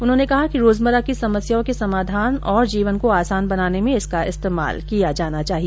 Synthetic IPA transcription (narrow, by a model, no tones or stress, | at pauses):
ʊnɦõːnekɐɦakiɾoːzməɾakisɐməsjaõkesɐmaːd̪ʱaːnɔːɾd͡ʒiːʋənkoaːsaːnbɐnaːnemẽɪskaɪ̰st̪eːma̰ːlkijad͡ʒaːnat͡ʃaːɦie